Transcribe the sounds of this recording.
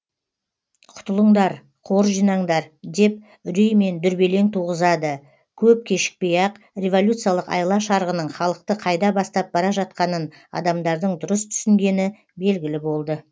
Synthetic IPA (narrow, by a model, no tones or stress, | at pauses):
qʰʊ̥t̪əlˠəɴd̪ɑɾ | qʰo̞ɾʒijnɑɴd̪ɑɾd̪e̞p̚ | ʏɾijme̞nd̪ʏɾbe̞le̞ŋt̪ʰuʁəzɑd̪ə | kʲʰɵp̚kʲʰe̞ʃɪ̥k̚pejɑq | rʲe̞vo̞lʲut̪sɨjɑlˠəqɑ̰jlˠɑʃɑɾʁənəɴχɑlˠəq̚t̪əqʰɑjd̪ɑbɑst̪ɑp̚bɑɾɑʒɑt̪̚qɑnən | ɑ̰d̪ɑmd̪ɑɾd̪əɴd̪ʊɾəst̪ʰʏ̥sɪŋɡʲe̞nɪ | be̞lɡʲɪlɪbo̞lˠd̪ə